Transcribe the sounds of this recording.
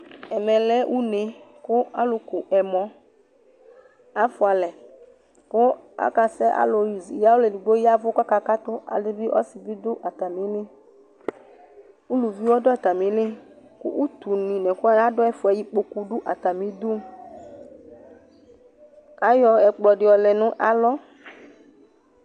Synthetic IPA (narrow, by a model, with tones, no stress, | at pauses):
ɛ˨mɛ̃˨lɛ˦ʔu˦ne˨kʊ˦a˦lʊ˨kʊ˨ʔɛ˨mɔ̃˨ | a˦fʊ˨a˨lɛ˨ | kʊ˦a̰˦ka˨sɛ˦ʔa̰˦lo˨ɾi˨zja˦wʊ˦lɛ˨ni˨ɡ͡bo˦ji˦a˦vʊ˦ka˦ka˦ka˦t̪ʊ˦a̰˨lɪ˦bɪ˦ʔɔ̰˦sɪ˨bi˦d̪ʊ˦ʔa˨t̪a˨mĩ˨˦lɪ˦ | u˦lu˨vi˦wɔ˦dɔ˦ɛ˨t̪a˨mĩ˨˦lɪ˦kʊ̰˦ʔu˦t̪u˨nĩ˨nɛ˨kʊ˦a˦ja˦dʊ˦ɛ˦fʊ˨ɛ˨˦ji˦k͡po˦ku˦ɖʊ˦ʔa˨t̪a˨mĩ˦d̪u˦m | a˦jɔ˨ɛ˨k͡plɔ˨ɖɪ˨˦ɔ˨lɛ˨nʊ̃˦ʔa˦lɔ˦